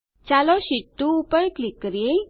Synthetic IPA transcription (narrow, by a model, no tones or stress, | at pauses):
t͡ɕalɔɕit̪ːuːpəjklikːɾie